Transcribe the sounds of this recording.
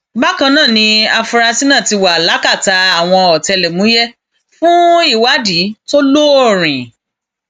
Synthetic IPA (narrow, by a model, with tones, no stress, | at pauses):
ba˦kã˧nãː˦˨nĩ˧a˧fu˧ɾa˧si˦nã˦˨ti˧wa˨la˨˦ka˦˨ta˧a˦˨w̃ɔ̃˧ɔ˨tɛ˧lɛ˨mũ˨˦jɛ˦ | fũ˦i˦˨wa˨˦di˨˦to˦lo˦o˦˨ɾ̃ĩ˨